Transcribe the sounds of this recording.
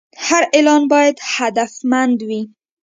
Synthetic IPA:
haɾɪlɑnbɑjad̪had̪afmand̪wi

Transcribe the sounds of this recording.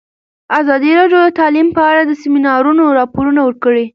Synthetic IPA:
azɑd̪iɾɑɖjod̪ət̪ɑlimpəaɽad̪əsɪminɑɾunoɾɑpoɾunawəɾkəɽi

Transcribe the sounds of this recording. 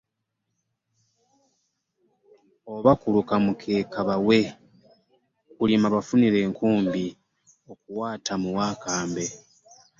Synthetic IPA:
o̞βakulukamukʰe̞ːkaβawe̞ | kulimaβafuniɾe̞ːŋkʰuːmbi | o̞kuwaːtʰamuwaːkaːmbe̞

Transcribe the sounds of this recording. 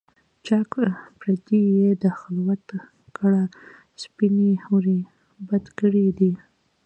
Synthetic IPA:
t͡ʃakpɾad̪ijed̪əxɪlwat̪ | kaɽa | spinehawɾi | bad̪kəɽid̪i

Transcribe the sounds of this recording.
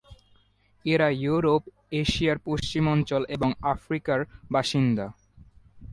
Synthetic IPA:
eɾajuɾop | eʃijaɾpoʃt͡ɕimɔnt͡ɕolʔeboŋafɾikaɾbaʃind̪a

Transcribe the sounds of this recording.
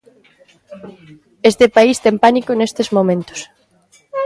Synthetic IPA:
est̪ɪpaist̪ɛmpanikʊnest̪ezmomẽnt̪ʊ̥s

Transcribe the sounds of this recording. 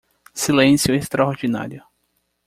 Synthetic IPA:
silẽsjʊest̪ɾaoɾd͡ʒina̰ɾjʊ

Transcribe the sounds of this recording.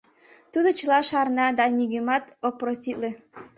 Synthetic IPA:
t̪ud̪ot͡ɕəlɑʃɑrnɑd̪ɑnʲyɡemɑt̪oprostʲit̪le

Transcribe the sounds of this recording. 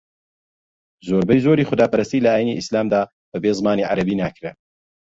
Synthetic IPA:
zoːɾbɛjzoːɾiːxʊd̪aːpɐɾast̪ilɐaːjiniʔislaːmd̪aː | b̥ɐbeːzmaːniːʕa̰ɾɐbiːnaːkɾe

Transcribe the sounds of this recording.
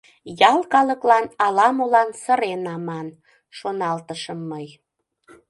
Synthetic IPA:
jɑlˠkɑləklɑnɑlɑmolɑnsəɾenɑmɑn | ʃonɑlt̪əʃəmːəj

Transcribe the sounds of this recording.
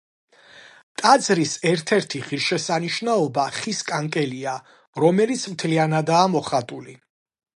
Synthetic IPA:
t̪ʼad̪zɾisɛɾt̪ʰɛɾt̪ʰiχiɾʃɛsaniʃnaɔbaχiskʼaŋkʼɛlia | ɾɔmɛlit̪sʰmt̪ʰlianad̪aːmɔχat̪ʼuli

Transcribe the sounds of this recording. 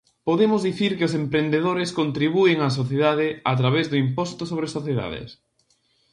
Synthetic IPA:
poðemʊzðiθiɾkɪʊsempɾend̪eðoɾɪskont̪ɾiβueŋas̬oθjeðaðɪat̪ɾaβezðʊimpɔst̪osoβ̞ɾesoθjeða̰ðɪ̰s

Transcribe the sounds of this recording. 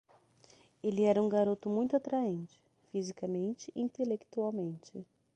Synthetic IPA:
elɪɛɾɐũɡaɾot̪ʊmũj̃t̪ʊat̪ɾaẽnt͡ʃɪ̥ | fizikɐmẽnt͡ʃɪʔĩnt̪elekt̪uawmẽnt͡ʃɪ

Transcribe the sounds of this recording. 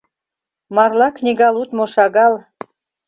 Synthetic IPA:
mɑrlɑknʲiɣɑlˠut̪moʃɑɣɑl

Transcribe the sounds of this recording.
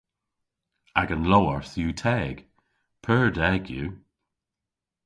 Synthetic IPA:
aɡənlowəɹθjuːtʰɛːɡ̥ | pʰəːɹdɛɡjṵː

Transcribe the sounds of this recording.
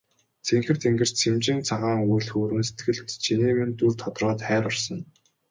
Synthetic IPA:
t͡sʰeŋxɘ̆rt̪ʰeŋɡɘ̆r̥t͡ɕt͡sʰemt͡ɕɪ̆nt͡sʰaʁaːŋujɮxoːɾɘ̆nse̥t̪ɡɘ̆ɮt͡ɕʰiniːment̪urt̪ʰɔt̪rɔːt̪χæːɾɔrsɞ̆n

